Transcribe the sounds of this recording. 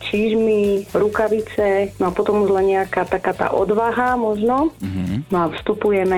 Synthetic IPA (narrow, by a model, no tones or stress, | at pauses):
t͡ʃiːʒmiɾukaʋit͡sɛnɔapɔt̪ɔmuʒlaɲɛakaːt̪akaːt̪a̰ːʔɔd̪ʋaɦamɔʒnɔnɔafst̪upujɛmɛ